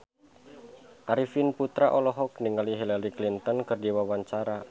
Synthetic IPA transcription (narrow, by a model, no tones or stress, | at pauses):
ʔaɾifinput̪ɾaʔɔlɔɦɔk̚niŋaliɦilaɾiklint̪ɔnkɨrdiwawaɲt͡ʃaɾa